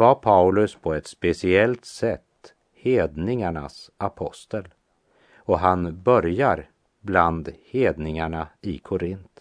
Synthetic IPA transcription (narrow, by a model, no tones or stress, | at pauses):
vaɾpʰaʉlɵspʰɔɛt̪spɛsɪɛlt̪sɛt̪ː | heːd̪nɪŋaɳasapʰɔst̪əl | ɔɦanbœɾjaɾ | bland̪heːd̪nɪŋaɳaɪkʰʊɾɪnt̪